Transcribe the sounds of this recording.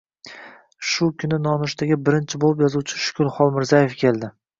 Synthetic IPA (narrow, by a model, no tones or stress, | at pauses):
ʃʊkʰʲʊnɪnɒnʊʃt̪aɡʲɪbɪɾɪnt͡ʃʰɪbolˠɪp̬jɒzuwt͡ʃʰɪʃʊ̥kʲʰʊlˠχɒlˠmɪɾzaje̞fkʲʰe̞lˠd̪ɪ